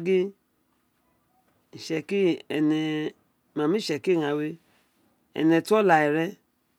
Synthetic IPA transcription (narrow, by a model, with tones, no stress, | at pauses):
ɡi˦ | i˨ʃɛ˧ki˦ɛ˨nɛ˧˨ | ma˨mĩ˦ʃɛ˨ki˦˨ŋa˨we˧ | ɛ̰˨nɛ˧tu˦ɔ˦la˨ɛ˨ɾɛ˦